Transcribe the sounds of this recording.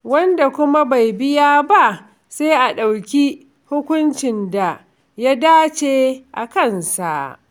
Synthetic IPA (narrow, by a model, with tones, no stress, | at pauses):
wɐ˦nda˨kʷʊ˦ma˦ba˨jbɪ˦jaː˦ba˦ʔ | sa˦ʔa˨ɗa˨wkʲi˦ | hʊ˦kʷʊ˦nt͡ʃɪ˨nda˨ | ja˦daː˦t͡ʃeː˦ʔa˨kɐ˦˨nsa̰˨